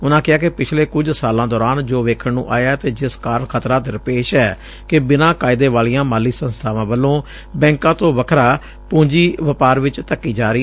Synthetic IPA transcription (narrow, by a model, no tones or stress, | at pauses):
ʊnãːkɪaːkɪpɪt͡ʃʰleːkʊd͡ʒsaːlãːd̪ɔːɾaːnd͡ʒoːʋeːkʰəɳnṵ̃ːʔa̰ːjaːt̪eːd͡ʒɪskaːɾəɳkʰət̪ɾãːt̪ɾəpeːʃɛː | kɪbɪnãːkaːɪd̪eːʋaːlijãːmaːlːiːsənst̪ʰaːʋãːbəlːõː | bɛ̃ːŋkãːt̪õːʋəkʰɾaː | pũːɲd͡ʒiːʋəpaːɾʋɪt͡ʃt̪əkːiːd͡ʒaːɾɪː